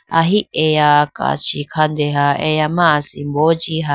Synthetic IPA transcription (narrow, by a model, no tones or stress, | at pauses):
aɦiʔejaka̰t͡ʃikʰand̪eɦaejamãsimbod͡ʒiɦa